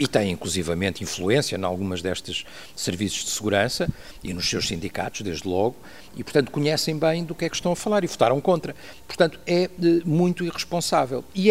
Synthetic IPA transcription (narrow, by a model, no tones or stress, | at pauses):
it̪ɐ̃j̃ĩŋklˠuzivɐmẽnt̪ĩflˠuẽsiɐna̰lˠɣumɐʒðɛʃt̪ɐʃ | sɨɾvisu̥ʒd̪ɨsɨɣuɾɐ̃sɐ | ḭnuʃsewʃsĩnd̪ika̰t̪uʒ̥d̪eʒd̪lˠɔɣu | ipʊɾt̪ɐ̃nt̪u̥kuɲɛsɐ̃j̃bɐ̃j̃d̪ukɛkʃt̪ɐ̃w̃ɐfɐlˠaɾivut̪aɾɐ̃w̃kõnt̪ɾɐ | pʊɾt̪ɐ̃nt̪u̥ɛɛmũj̃t̪uiʁɨʃpõsavɛlˠi